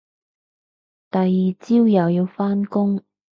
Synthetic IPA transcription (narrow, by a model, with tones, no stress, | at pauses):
t̪ɐ˨jːiː˨t͡siː˥wjɐ˨wjiː˧wfaː˥nkʊ˥ŋ